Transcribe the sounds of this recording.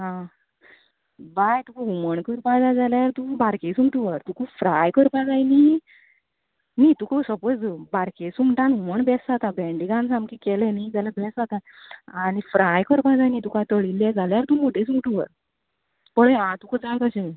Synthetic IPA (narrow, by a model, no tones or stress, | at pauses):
ɦã | bajt̪ukəuməɳkəɾpãd͡zad͡zaljaɾt̪ũbaɾkesumʈuʋəɾt̪ukufɾajkəɾpãd͡zajni | nit̪ukʰəsəpot͡sbaɾkesumʈãnuməɳbʱɛsd͡zat̪abɛ̃ɳɖiɡãnsãmkikɛlenid͡ʑalabʱɛsd͡zat̪a | anifɾajkəɾpãd͡zajnit̪ukat̪əɭilːɛd͡zaljaɾt̪umoʈʰesumʈuʋə̰ɾ | pəɭẽãt̪ukəd͡zajkəɕe